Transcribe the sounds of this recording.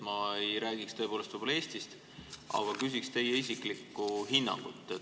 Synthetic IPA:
mɑejɾæːɡ̥ikst̪ɤe̞polest̪ɑbɑlɑeːst̪ist̪ | ʔɑ̰ɡ̥ɑkys̬ikst̪e̞jeisikˑlikːuɦinːɑ̰ŋɡ̥ut̪ˑːe

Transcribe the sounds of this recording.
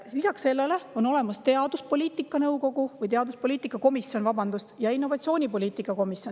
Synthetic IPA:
lisɑksse̞lːe̞le̞o̞no̞le̞mɑst̪e̞ɑd̪uspo̞lʲiːt̪ˑikːˑɑnɤwko̞ɡuvɯjt̪e̞ɑd̪uspo̞liːt̪ˑikːˑɑko̞misjo̞nvɑbɑnd̪ust̪jɑinːo̞vɑt̪sʲio̞ːnʲipo̞liːt̪ˑikːˑɑko̞misjo̞n

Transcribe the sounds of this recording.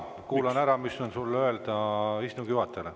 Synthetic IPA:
kuːlɑnæɾɑmisːonsulːø̞eld̪ɑisnuɡ̥juhɑt̪ːˑele

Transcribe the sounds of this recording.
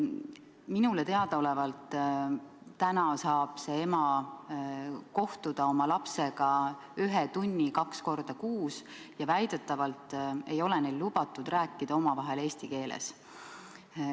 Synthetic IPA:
minulet̪eɑd̪̥ɑo̞levɑlt̪ | ænɑsɑːb̥se̞e̞mɑ | ko̞ht̪ud̪̥ɑo̞mɑlɑpse̞ɡ̥ɑ | yɦet̪unʲːikɑksko̞rd̪̥ɑkuːs | jɑvæjd̪̥et̪ːˑɑvɑlt̪ːˑe̞jo̞lenejllub̥ɑt̪ːˑud̪̥ræːkːˑid̪̥ɑo̞mɑvɑɦe̞leːst̪ike̞ːlḛs

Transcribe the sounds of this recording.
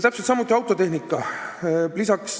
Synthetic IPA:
t̪æpset̪sɑmːut̪ːˑiɑwt̪ːˑo̞t̪e̞hnikːˑɑ | lisɑks

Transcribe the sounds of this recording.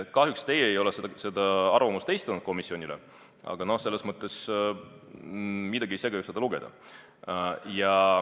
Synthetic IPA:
kɑɦjukst̪e̞jeːjo̞lese̥sed̪̥ɑɑrvɑmust̪ejst̪ɑnud̪̥̚ko̞misionʲile | ʔɑ̰ɡ̥ɑno̞hse̞lːesmɤt̪ˑːe̞s | mid̪ɑɡ̥iejse̞ːɡ̥ɑjused̪ɑluɡe̞d̪ɑ̰ | jɑ

